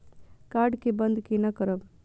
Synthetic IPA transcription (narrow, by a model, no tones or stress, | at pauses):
kaːɾɖkebɐ̃nd̪kinɐkəɾəb